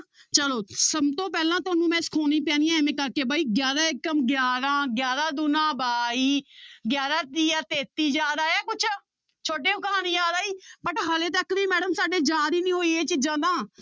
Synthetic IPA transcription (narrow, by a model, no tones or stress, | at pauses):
t͡ʃəloːsəbt̪õːpɛːlãːt̪ʊaːnũːmɛ̃ːskʰoːnĩːpɛ̃ːnijãːeːmẽːkəɾkeːbaːiːɡjaːɾaːɪkːəmɡjaːɾãːɡjaːɾãːd̪ʊnãːbaːiːɡjaːɾaːd̪iːaːt̪eːt̪iːd͡ʒaːd̪aːɛːkʊt͡ʃʰ | t͡ʃʰoːʈeːʊkaːniːd͡ʒaːd̪aːiːbəʈɦəleːt̪̬əkʋiːmɛːɖəmsaːɖeːd͡ʒaːɾiːnĩːɦoːiːeːt͡ʃiːd͡ʒãːd̪aː